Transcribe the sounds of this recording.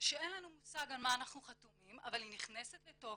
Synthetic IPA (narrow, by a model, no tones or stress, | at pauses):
ʃee̞nlanumusaɡalmaːnaχnuχat̪umimʔavalhiniχne̞set̪leto̞